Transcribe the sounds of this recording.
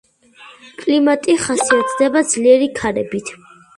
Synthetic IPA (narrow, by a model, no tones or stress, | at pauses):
kʼlimat̪ʼiχasiat̪ʰd̪ɛbad̪z̥liɛɾikʰaɾɛbit̪ʰ